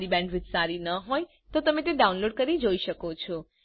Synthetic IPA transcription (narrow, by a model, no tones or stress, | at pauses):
ɾibɛ̃ɳɖʋɪd͡ʒsaɾinəɦoj | t̪ot̪əmẽt̪̬eɖaunloɖkəɾid͡ʒoiʃəkot͡ʃʰɔ